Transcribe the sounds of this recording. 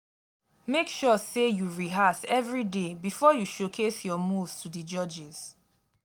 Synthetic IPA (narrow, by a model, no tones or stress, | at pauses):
mekʃɔsejuɹiɦasɛvɹidebifɔjuʃokʰesjɔmuvstudid͡ʒɔd͡ʒɪz̥